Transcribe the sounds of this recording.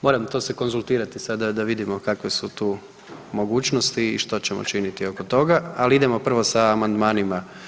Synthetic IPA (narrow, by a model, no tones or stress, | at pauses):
mo̞ːɾamt̪o̞ːseko̞nzulˠt̪iːɾat̪isad̪ad̪aʋid̪imo̞kakʋesut̪uː | mo̞ɡuːt͡ɕnost̪ḭːʃt̪o̞t͡ɕemo̰t͡ʃinit̪io̞kot̪o̞ɡaaliid̪e̞mo̞pr̩ʋo̞saːmand̪maːnima